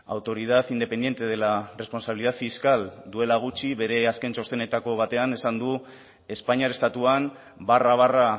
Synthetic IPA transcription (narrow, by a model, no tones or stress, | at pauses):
a̰wt̪o̞ɾið̞atind̪e̞pe̞nd̪je̞nt̪e̞ð̞e̞lare̞spo̞nsaβiliðaðfiskald̪ue̞laɣ̞ut͡ʃiβe̞ɾe̞aske̞nsost̪e̞ne̞t̪ako̞β̞at̪e̞ane̞sand̪u | e̞spaɲaɾe̞st̪at̪uan | baraβ̞ara